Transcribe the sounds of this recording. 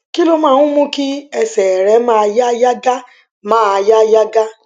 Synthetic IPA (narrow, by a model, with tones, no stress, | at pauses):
ki˦lo˦mã˦˨ʊ̃˦mũ˦ki˦ɛ˨sɛ˨ɾɛ˨˦mã˦˧ja˦ja˦ɡa˦ | mãː˦˨a˧ja˦ja˦ɡa˦